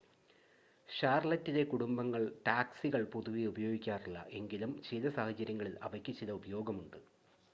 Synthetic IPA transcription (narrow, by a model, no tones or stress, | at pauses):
ɕaːrɭɐtːile̞kuɽumbɐŋːɐɭʈaːksiɣɐɭpuðuʋiubɐjo̞ːɡikʲːaːriɭːɐ̰ʔe̞ŋɡilumt͡ɕeːlɐsaːhɐt͡ɕːɐɾjɐŋːɐɭilɐ̰ʋɐkʲːit͡ɕːiðɐubɐjo̞ːɡɐmuɳɖɨ